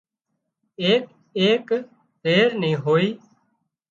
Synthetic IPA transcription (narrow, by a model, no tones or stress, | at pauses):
eːk | eːk | t̪eːɾnĩːɦoːiː